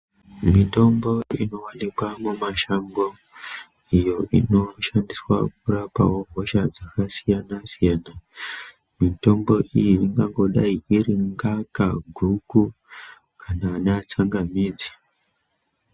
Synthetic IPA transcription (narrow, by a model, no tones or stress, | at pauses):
mito̞mbo̞ino̞wanikwamumaʃaŋɡo̞ | ijo̞ʔḭno̞ʃandiswa̰k̚urapa̰woɦoʃad͡zakasijanasijaːna | mito̞mbo̞ʔijiiŋɡaŋɡo̞ɗaiʔiriŋɡakaɡʱuku | kʰanaːneat͡saŋɡamiːd͡zi̥